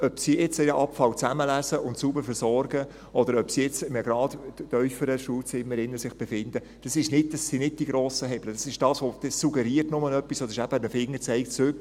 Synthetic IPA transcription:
œpsiɛt͡sɛəʔɑpfɑlt͡sæməlæsəʔʊntsubəɾfɛɾsɔɾɡə | ʔɔd̪əɾœpsiɛt͡sməɡɾɑːd̥̪tœʏfəɾəʃuːlt͡sɪmːəɾɪnːəsɪχb̥efɪnd̪ə | d̥ɑsɪʃnɪt̚d̥ɑsːinɪt̚d̥iɡɾoːsəɦɛbləd̥ɑsɪʃd̥ɑːsʋod̥̪ɛssuɡɛɾiːrtnʊmənœpːisɔdɪʃæb̥ədəfɪŋːət͡sɛɪk̚t͡søk

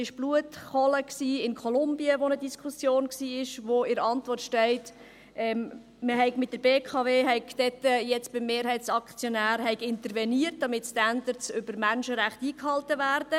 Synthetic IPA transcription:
ɪʃb̥luətχɔləksiːɪnkʰɔlʊmbiəʋonədiskʰusjoːnksiːɪʃʋoɪɾɑntʋɔrtʃtɛɪt | ʔɛm | məɦɛɪɡmɪt̚d̥əɾbeːkʰɑveːɦɛɪkd̥ɛtːəjɛt͡sb̥ɪmːeːɾhɛɪtsɑkt͡sjɔnæːɾhɛɪkɪnt̪əɾvɛniərt̚d̥ɑmɪtstænd̪əɾt͡sʏb̥əɾmænʃəɾæχtiːkhɑltəvæːrd̥ə

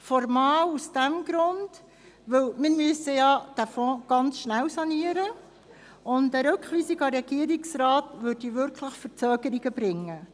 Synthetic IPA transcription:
fɔɾmɑːlusd̥æmɡ̥ɾʊnd | ʋɵwmɪmyəsəjɑd̥æfɔ̃ːɡ̥ɑnt͡sʃnæwsɑniəɾə | ʊntdəɾɵkχʋiːsiɡɑɾɛɡiəɾiksɾɑːtvøɾdiʋʏɾkʰləχfəɾt͡søːɡəɾiɡəbɾɪŋːə

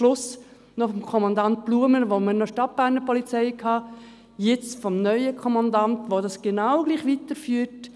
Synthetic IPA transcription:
lʊs | nofɔmkʰɔmɑndɑnt̚b̥luːəmənʋomənɔʃtɑt̚b̥æːɾnəɾpʰɔlit͡sɛɪkʰɑː | jɛt͡sfɔmnœʏəkʰɔmɑndɑntʋodɑsɡ̥enawɡliːχʋitəɾfyːəɾt

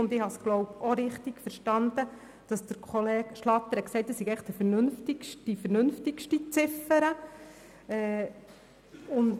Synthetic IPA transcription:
ʊnd̪ɪhɑsɡ̥lɔwpɔɾɪχt̪iɡ̥fəɾʃtɑnd̪̥ə | d̥ɑsd̥̪əɾkʰχɔleːɡʃlɑt̪ːəɾɛksɛɪtd̪əsiɡɛɪχd̥̪əfəɾnʉnftikʃifəɾnʏnftikʃtit͡sɪfəɾə | ɛː | ʊnd

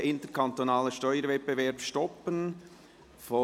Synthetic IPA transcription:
ʔɪntəɾkʰɑntonɑːləʃtɔʏəɾvɛt̚b̥evɛɾpʃtɔpən | fo

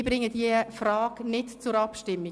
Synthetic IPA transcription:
b̥ɾɪŋːəd̥ifrɑːɡnɪtt͡sʊɾɑpʃtɪmːi

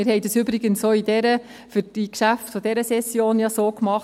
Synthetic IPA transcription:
mɪɾhɛɪdɑsybɾɪɡənsoːidɛɾə | fyɾd̥ikʃæftfod̥ɛɾəsɛsːjoːnjɑsoːkmɑχ

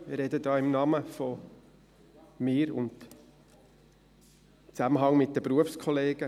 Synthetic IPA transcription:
mɪɾɛdədɑːɪmnɑməfɔ | mɪːɾʊ̰nt | t͡sæməɦɑŋmɪt̚d̥əbɾuəfskʰɔleːɡ̥ə

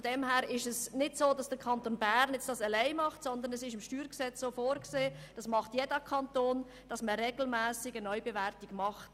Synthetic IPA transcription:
fod̥ɛmhæːɾɪʃəsnɪdsoːdɑsd̥əkʰɑntonbæːɾnjɛt͡sd̥ɑsɛlɛɪmɑχtsɔnd̪ənɛsɪʃɪmʃtyːɾksɛt͡ssoːfoːɾkseːd̥ɑsmɑχtjɛdəkʰɑntoːn | d̥ɑsməɾeɡl̩mæːsɪɡənɔʏbevæɾtiɡ̥mɑχt

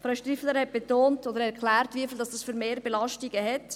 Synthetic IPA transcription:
fɾaʊʃtrifələɾhɛt̚b̥etoːntod̪əɾɛɾkχlæːrtviəfildɑsd̥ɑsfyːɾmeːɾbelɑʃtiɡəɦɛt

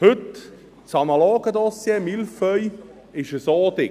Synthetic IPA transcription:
hɵt | t͡sɑnɑloːɡ̥əd̪ɔsjemilfœj | ɪʃəsoːd̪ɪ

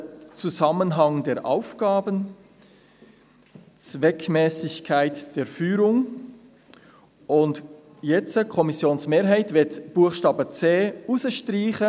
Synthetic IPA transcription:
t͡suzɑmənɦɑŋdeːɾʔa̰ʊfɡ̥ɑːbən | t͡svɛkʰmɛːsɪçkʰaɪtd̥eːɾfyːɾʊŋ | ʔʊnt | jɛt͡səkʰɔmɪsjoːnsmeːɾɦaɪtvɪtb̥uːəχʃtɑːbət͡seːʔusəʃtʁiːχə

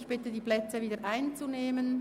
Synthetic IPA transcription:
çb̥ɪtədiːplɛt͡səviːdəʔaɪnt͡suneːmən

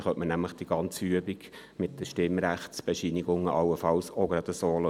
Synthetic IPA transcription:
χœtʔmənæmləχd̥̪iɡ̥ɑnt͡syəbiɡ | mɪtdəʃtɪmːɾæχtsb̥ɛʃiniɡʊŋːəʔɑlːəfɑlsoɡɾɑd̪əsoːl

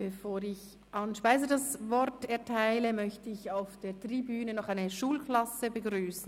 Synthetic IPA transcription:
b̥əfoːɾɪç | ʔɑnʃpaɪzədɑsvɔɾtɛɐtʰaɪləmœçtəɪçaʊfd̥eːtʁ̥ibyːnənɔχaɪnəʃuːlkʰlɑsəbəɡɾyːsn̩

